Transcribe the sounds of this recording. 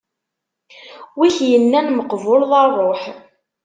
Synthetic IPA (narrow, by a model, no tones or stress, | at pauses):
wiçjənːænməqvʊlðˤɑrˤːoħ